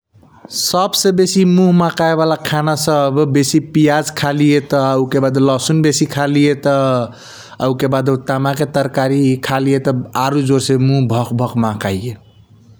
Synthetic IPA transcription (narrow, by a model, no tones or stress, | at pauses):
səbsẽbesimuɦmãkaebalakʰanasəbbesipijad͡ʒkʰalijet̪əəukebad̪lɔsunbesikʰalijet̪ə | əukebad̪ət̪amaket̪əɾkaɾikʰalijet̪əaɾud͡ʒoɾsẽmũɦbʱɔkbʱɔkmãkajje